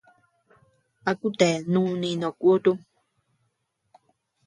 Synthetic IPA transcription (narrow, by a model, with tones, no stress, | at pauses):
a˨ku˦t̪e˨nũ˦˧nĩ˧˨nõ˨ku˦o˦t̪u˦